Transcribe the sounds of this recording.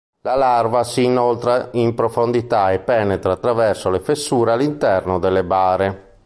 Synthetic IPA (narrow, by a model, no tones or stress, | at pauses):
lalarvasiːnolt̪ɾaimpɾofond̪it̪aɛpːɛːnɛt̪ɾaːt̪ːɾavɛrsolefesːuːɾealːint̪ɛrnod̪elːebaːɾe